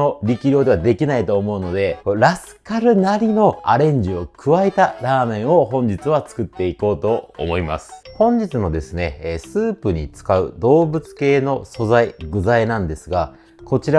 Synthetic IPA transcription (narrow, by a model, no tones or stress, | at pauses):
oɾʲikʲiɾʲo̞ːd̪e̞βad̪e̞kʲinait̪o̞ːmo̞ɯ̟no̞d̪e̞koɾasɨ̥kaɾɯ̟naɾʲino̞a̰ɾẽ̞ɲ̟d͡ʑio̞kʰɯ̟βaet̪aɾaːmẽ̞ɰ̃o̞ɦõ̞ɲd͡ʑit͡sɨβat͡sɨ̥kɯ̟t̪ːe̞iko̞ːt̪o̞̰ːmo̞ima̰sɨ̥hõ̞ɲ̟d͡ʑit͡sɨno̞d̪e̞sɨne̞sɨːpɯ̟ɲ̟it͡sɨ̥kaɯ̟̰d̪o̞ːbɯt͡sɨ̥ke̞ːno̞so̞zaiɡɯ̟zainãnd̪e̞sɨɡa | ko̞t͡ɕiɾa